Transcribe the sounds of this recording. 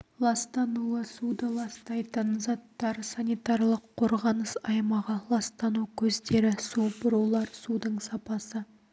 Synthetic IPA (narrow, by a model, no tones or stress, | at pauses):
lˠɑst̪ɑnuəsud̪əlˠɑst̪ɑjt̪ənzɑt̪ːɑɾsɑnijt̪ɑɾlˠəqʰːo̞ɾʁɑnəsɑjmɑʁəlˠɑst̪ɑnukʲʰɵzd̪e̞ɾɪsubʊɾulˠɑɾsud̪əɴsɑpɑsə